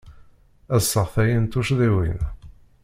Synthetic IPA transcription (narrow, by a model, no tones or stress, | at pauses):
æsːəʁθæjint̪uʃðiwḭn